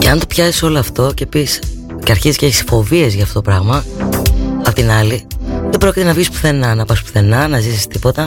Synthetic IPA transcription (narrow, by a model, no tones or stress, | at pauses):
ceɐnt̪opçɐsi̥so̞loɐft̪o̞cepis | ceɐɾçizisceeçisfo̞vie̞zʝɐːft̪o̞t̪opɾɐɣmɐ | ɐpot̪inɐliðe̞bɾo̞cit̪enɐvʝispu̥θe̞nɐnɐpɐspu̥θe̞nɐnɐzisist̪ipo̞t̪ɐ